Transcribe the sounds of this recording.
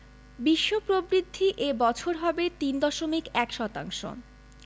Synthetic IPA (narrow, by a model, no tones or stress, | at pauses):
biʃːopɾobɾid̪ʱːiʔebɔt͡ɕʰoɾɦɔbet̪ind̪ɔʃomikɛkʃɔt̪a̰ŋʃo̰